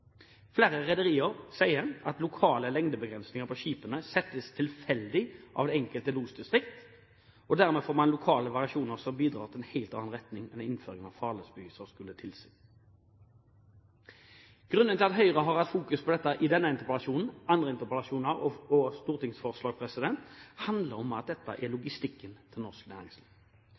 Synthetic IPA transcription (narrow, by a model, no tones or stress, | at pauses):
fleːʁəʁɛd̪əʁiːəʁsæɪəɾʔɑt̪lʊkʰɑːləlɛŋd̪əbəɡʁɛnsnɪŋəʁpʰɔɕiːpənəsɛt̪ːəst̪ʰɪlfɛld̪ɪʔɑ̰ʋd̪ɛɛŋkəlt̪əluːsd̪ɪst̪ʁɪkt̪ | ɔd̪æʁmeːfoːʁmɑnlʊkʰɑːləʋɑʁɪɑʃuːnəʁsɔmbiːd̪ʁɑːʁt̪ʰɪlɛnhæɪlt̪ɑ̰nːnʁɛt̪nɪŋɛnɪnføːʁɪŋənɑ̰ʋfɑːʁləsbəyːsəʁskʉlːət̪ʰɪlsɪ | ɡ̥ʁʉnd̪ənt̪ɪlt̪ɦœʏʁəɦɑʁhɑt̪fuːkʉspʰɔd̪ɛt̪ːəʔɪd̪ɛnːəɪnt̪əʁpəlɑʃuːnn̩ʔɑnd̪ʁəɪnt̪əʁpəlɑʃuːnəʁɔɔst̪uːʁt̪ɪŋsfɔʁslɑːɡpʰʁɛsɪd̪ɛnt̪hɑnd̪ləʁɔmɑt̪̚d̪ɛt̪ːə̰ʔɛlʊɡɪst̪ɪkːənt̪ʰɪlnɔʁsknæ̰ːʁɪŋsliː